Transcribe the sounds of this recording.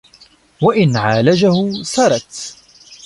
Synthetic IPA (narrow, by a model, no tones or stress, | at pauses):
waʔɪnʕaːlad͡ʒahʊsɑɾˤɑt̪